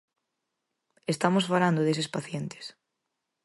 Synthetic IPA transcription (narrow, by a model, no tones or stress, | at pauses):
est̪amosfalãnd̪oðes̬espaθjent̪e̥s